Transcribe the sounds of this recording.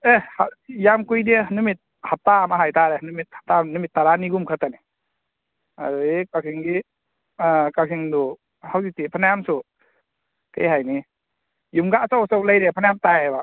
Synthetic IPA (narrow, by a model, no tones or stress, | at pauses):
ehajamkujdenumit̚ | hatamaɦajtaɾenumit̚hḁtanumit̚ːaɾaniɡumkʰatani | a̰ɾuekaksʰiŋɡi | kaksiŋdu | hawzitipʰanajamsu | kejɦajni | jumɡasawsawlajɾepʰanajamtajba